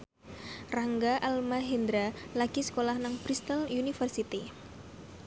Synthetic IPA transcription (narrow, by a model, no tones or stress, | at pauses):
raŋɡaʔalmaɦind̪ɾalaɡ̥isə̥kolahnaŋpɾist̪alunifərsit̪i